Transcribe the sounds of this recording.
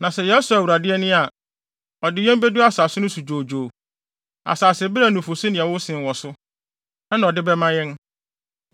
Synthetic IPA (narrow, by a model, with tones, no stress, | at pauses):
nã˨sɛ˨jɛ˦sʊ˨a˨wu˨ɾa˨dɪ˦ɛ˦nɪ̃˦a˨ | ɔ˨dɪ˦jɛ̃˦m˦be˦du˦a˨saː˨sʊ˦nʊ̃˦su˨d͡ʑoː˨d͡ʑoː˨ | a̰˨saː˨sɛ˨bɾa˦˨nʊ̃˨fo˨si˦nɪ̃˨ɛ˨wʊ̃˦sɪ̃˨nwɔ˨sʊ˦ | nã˦nã˨ɔ˨dɪ˦bɛ˦mã˦jɛ̃˦n